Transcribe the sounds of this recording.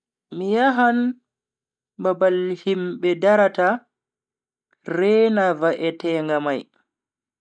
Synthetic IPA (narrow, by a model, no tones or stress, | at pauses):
mijaɦan | babalhimɓɛdaɾata | ɾɛːnavaʔɛtɛːŋɡamaj